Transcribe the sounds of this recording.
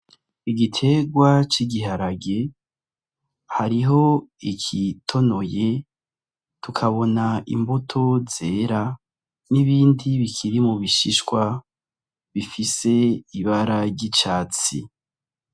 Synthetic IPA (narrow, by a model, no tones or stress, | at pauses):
iɡitʰe̞ɡwat͡ʃiɡiɦaɾaɡe̞ | haɾiɦo̞ikʰitʰo̞no̞je̞ | tukʰaβo̞naʔḭmbotʰo̞zeːɾa | niβiːndiβikʰiɾimuβiʃiʃkwa | βifise̞iβaɾaɟit͡ʃaːt͡sḭ